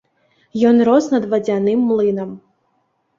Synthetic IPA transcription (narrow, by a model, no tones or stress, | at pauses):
jɔnɾɔznɐd̪ʋɐd͡zʲanɪmːlˠɨnɐm